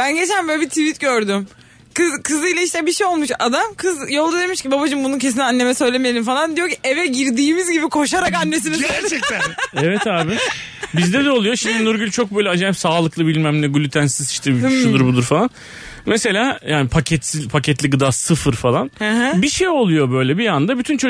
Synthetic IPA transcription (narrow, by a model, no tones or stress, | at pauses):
b̥ænɟet͡ʃʰænbølbit̪ʰivit̪ɟøɾd̪ym | kɯzkʰɯzɯjlʲˠaiʃt̪ɛbiʃejo̞lˠmuʃad̪amkʰɯzjo̞lˠd̪ad̪e̞miʃcibabad͡ʒɯnmbununc̬ʰes̬inanlːʲe̞mɛsø̞jlʲemijelʲimfalˠand̪ijociʔevɛɟiɾd̪iːmizɟibikʰo̞ʃaɾakanːes̬iniæɾt͡ʃɛct̪ænɛvɛt̪aːbɪ | bizd̪ɛd̪ɛo̞lˠujo̞ʃimd̪inuɾɡylʲt͡ʃʰo̞k̚bø̞jlʲɛad͡ʒaːipsaːlˠɯklˠɯbilʲmæmlʲɛɡulʲyt̪ʰænsizi̥ʃt̪ʰɛbiʃud̪uɾbud̪uɾfalˠan | mese̞lʲaːjaːnipʰacʰɛt̪sipʰacʰɛt̪lʲiɡɯd̪aːsɯfɯɾfalˠanhbiʃejo̞lˠujo̞bø̞jlʲɛbiand̪abyt̪ʰynt͡ʃʰo